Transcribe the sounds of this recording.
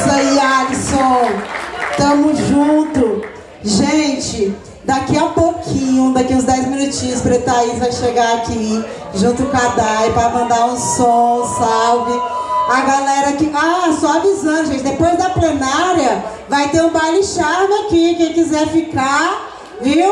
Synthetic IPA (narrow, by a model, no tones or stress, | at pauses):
sialisõ | t̪ɐ̃mʊzʒũt̪ʊ | ʒẽt͡ʃɪ | d̪akiapokʰĩɲʊd̪akiũzd̪ɛjzmĩnut͡ʃĩɲʊspɾet̪aizvajʃeɡaaki | ʒũt̪ʊkad̪ajpɾamɐ̃d̪aɾũsõsawbɪaɡalɛɾɐkɪasɔavizɐ̃d̪ʊʒẽt͡ʃɪd̪epojzd̪ɐplenaɾjɐ | vajt̪eɾũbajliʃaɾnʊakikẽj̃kizɛfika | vi